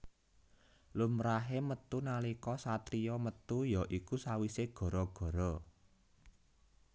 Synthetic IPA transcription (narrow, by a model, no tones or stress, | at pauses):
lumɾaɦemət̪unalikɔsat̪ɾiɔmət̪ujɔʔikusawiseɡ̥ɔ̤ɾɔɡ̥ɔ̤ɾɔ